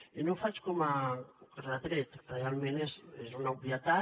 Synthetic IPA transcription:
inofat͡ʃi̥kʲomaɾat̪ɾet̪ə̥realmenesezonabiat̪a

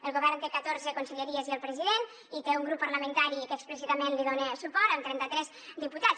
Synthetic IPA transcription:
əlˠɣoβɛrnt̪ekət̪oɾzəkonseʎeɾieziəlˠpɾəziðen | it̪euŋɡɾupːəɾləmẽnt̪aɾikəːkspləs̬it̪amẽnliðonesupɔɾamt̪ɾɛnt̪ət̪ɾɛz | d̪iput̪a

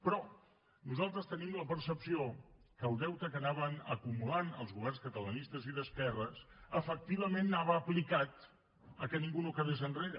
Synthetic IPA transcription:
pɾɔ | nuzalˠt̪ɾəst̪ənimləpəɾsəpsiokəlˠd̪ɛwt̪əkənaβənəkumulanəlˠzɣuβ̞ɛrnskət̪ələnist̪əziðəskɛrəsəfək̚t̪iβ̞əmenːaβ̞əːplikat̪ | əkəniŋɡunokəðezənreɾə

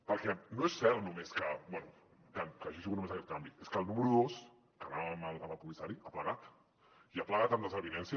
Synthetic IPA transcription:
pəɾkɛnoesːɛɾnumeskəbwɛnu | kankaʒiʃiɣutnumezakɛt̪kambit̪eskəːlˠnuməɾuðos | kənaβəməlˠðaβapuβisaɾiapləɣat̪ | iapləɣat̪əmd̪əzəβinɛnsi

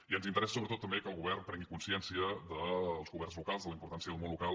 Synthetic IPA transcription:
iənzint̪əɾɛsəsoβɾət̪ot̪ːəmbekəlˠɣuβɛrnpɾɛŋɡikunsiɛnsiəðəlˠzɣuβɛrnzlukalˠzðələimpuɾt̪ansiəðəlˠmõnlukalˠ

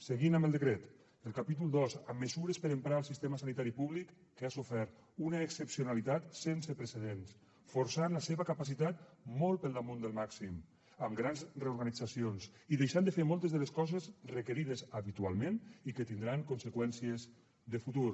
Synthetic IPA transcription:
seɣinəmbəlˠd̪əkɾet̪ | əlˠkapit̪ulˠd̪ozəmːəzuɾəspəɾəmpɾaəlˠsist̪eməsanit̪aɾipuβlikːeasufɛɾt̪ | unəːksəpsionalit̪at̪sensəpɾəseðens | foɾsanləseβəkapas̬it̪at̪mɔlˠpəlˠd̪amõnd̪əlˠmaksim | əmɡɾanzreuɾɣanid͡zasionsiðejʃand̪əfeɾmɔlˠt̪əzðəleskɔzezrəkəɾiðəzəβit̪ua̰lˠmẽnikət̪ind̪ɾaŋkunsəkwɛnsiəz | ðəfut̪uɾ

